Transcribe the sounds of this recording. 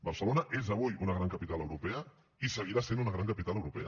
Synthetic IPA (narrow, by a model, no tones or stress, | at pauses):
bəɾsəlonəʔezəβ̞ujunəɣɾaŋkəpit̪aləwɾupɛə | isəɣ̞iɾasenunəɣɾaŋkəpit̪aləwɾupɛ̰ə